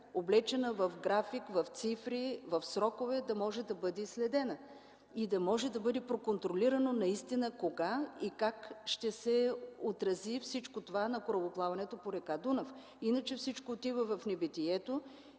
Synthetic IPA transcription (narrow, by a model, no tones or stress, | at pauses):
oblɛt͡ʃɛnəvɐfɡɾafikvɐft̪sifɾivɐfsɾɔkovɛd̪ɐmɔʒɛd̪ɐbɤd̪ɛislɛd̪ɛnə | id̪ɐmɔʒɛd̪ɐbɤd̪ɛpɾokont̪ɾoliɾɐnonɐist̪inəkoɡaikakʃt̪ɛsɛot̪ɾɐzifsit͡ʃkot̪ovanɐkoɾɐlˠoplˠavɐnɛt̪opoɾɛkad̪unɐf | inət͡ʃɛfsit͡ʃkoːt̪ivəvɐfnɛbit̪ijɛt̪o